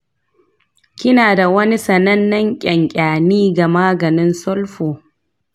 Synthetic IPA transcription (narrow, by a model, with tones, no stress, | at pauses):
kʲɪ˦naː˨da˨wɐ˦ni˦sɐ˨nɐ˦nːɐ˦ŋkʲʼɐ˨ŋkʲʼaː˨niː˦ɡa˨maː˦ɡɐ˨nɪ˦nsɔ˦lɸoː˨